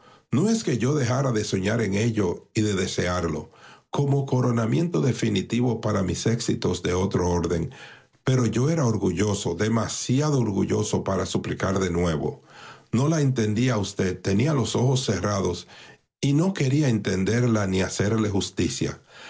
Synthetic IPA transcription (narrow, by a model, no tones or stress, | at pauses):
noe̞ske̞ʝo̞ðe̞xaɾaðe̞so̞ɲaɾe̞ŋe̞ʎo̞iðe̞ðe̞se̞aɾlo̞̰ko̞mo̞ko̞ɾo̞namje̞nt̪o̞ðe̞finit̪iβo̞paɾamise̞ksit̪o̞sðe̞o̞t̪ɾo̞o̞ɾðe̞ŋ | pe̞ɾo̞ʝo̞e̞ɾao̞ɾɣuʝo̞so̞ðe̞masjaðoːɾɣuʝo̞so̞paɾasuplikaɾðe̞nwe̞βo̞̰no̞laent̪e̞nd̪iaust̪e̞d̪̚t̪ːe̞nialo̞so̞xo̞sːe̞raðo̞s | ino̞ke̞ɾiae̞nt̪e̞nd̪e̞ɾlaniase̞ɾle̞xust̪isja̰